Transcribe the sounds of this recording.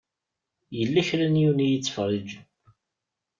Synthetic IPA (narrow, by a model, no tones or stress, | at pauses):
jəlːæçɾænjunijət͡sːfərˤːid͡ʒ